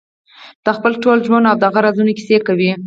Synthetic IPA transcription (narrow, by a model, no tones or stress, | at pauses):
d̪̥əxpəlʈolʒwanawd̪aɣaɾazunoki̥sekawi